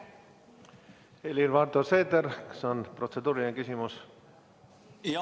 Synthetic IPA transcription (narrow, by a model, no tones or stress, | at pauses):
elʲirvɑɾd̪oseːd̪eɾke̥sonprot̪se̞d̪uːɾineŋkysʲimus